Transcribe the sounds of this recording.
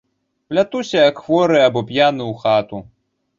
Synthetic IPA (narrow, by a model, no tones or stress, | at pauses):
plʲat̪usʲɐjɐkxvɔɾɨabɔpjanɨuxat̪u